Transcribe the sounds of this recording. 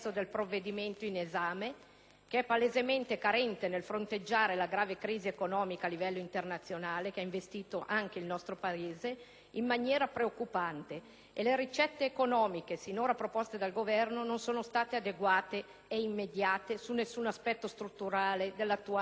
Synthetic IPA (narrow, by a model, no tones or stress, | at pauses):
od̪elpɾovːed̪iment̪oinezaːme | keɛpːalezement̪ekaɾɛnt̪enelfɾont̪ed͡ʒːaːɾelaɡɾaːvekɾiːziekonɔːmikaːlːivɛlːoint̪ernat̪sːjonaːlekeaiɱvest̪iːt̪oʔaŋk̟eilnɔst̪ɾopaeːze | imːanjɛːɾapɾeokːupant̪eː | leɾit͡ʃɛt̪ːeːkonɔːmikesinoːɾapɾopost̪ed̪alɡovɛrnononsoːnost̪aːt̪ead̪eɡwaːt̪eː | imːed̪jaːt̪esunːesːunaspɛt̪ːost̪ɾut̪ːuɾaːled̪elːat̪ːua